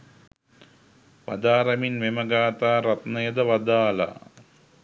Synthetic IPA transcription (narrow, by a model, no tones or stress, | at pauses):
ʋɐd̪aːɾɐminʋemɐɡaːt̪aːɾɐt̪nɐjɐd̪ɐʋɐd̪aːlɐ̰